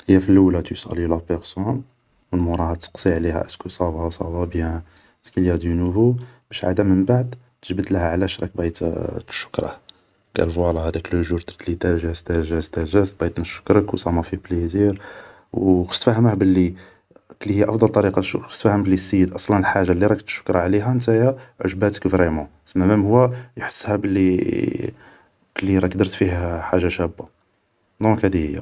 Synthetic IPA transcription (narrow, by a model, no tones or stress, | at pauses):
həjːæfilʔulæt̪ujsʔæ̰lilæpəɾsun | wəlmuɾˤɑhɑt̪ːə̥qsˤiʕlihæ̰ʔəskusˤɑbɑsˤɑ̰bɑbjæ | ʔskilihæd̪ənuvubæʃʕa̰d̪æməmbaʕd̪ | t̪ə̥ʒbəd̪ləhæʕlæʃɾˤɑk̚bjt̪ʃːʊ̥kɾˤɑ̰h | kæ̰lfwɑlɑhæd̪æklʒuɾt̪ɾˤt̪lit̪æʒæst̪æʒæst̪æʒæst̪̚bɑjt̪næʃːʊ̥kɾˤəkwsˤɑmæfibliziɾ | wxə̥ʃt̪fæhəməhbəlːi | klːihijːæʔɑfd̪ˤɑlt̪ˤɑɾiqɑʃuxə̥ʃt̪fæhəmbəlːisːijːəd̪ʔɑsˤlɑnəlħaʒːalːiɾˤɑkt̪ʃʊ̥kɾˤɑʕliɦænt̪æjæʕʊ̰ʒbæt̪ə̥kvɾemɑ̃səmːæmæmhʊwːæjħə̥sːhæbəlːi | kəlːiɾˤɑkd̪əɾˤt̪fiɦħaʒːaʃæbːa | d̪ɔ̃khæd̪ihəjːæ̰